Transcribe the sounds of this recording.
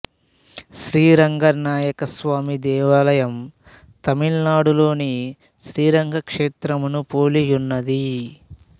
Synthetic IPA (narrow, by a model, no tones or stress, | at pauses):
ʃɾiːɾɐŋɡɐɾnaːjɐkɐsʋaːmid̪ɛːʋaːlɐjɐm | t̪ɐmiɭnaːɽulo̞ːni | ʃɾiːɾɐŋɡʱɐkʂeːt̪ɾɐmunupoːlijunːɐd̪i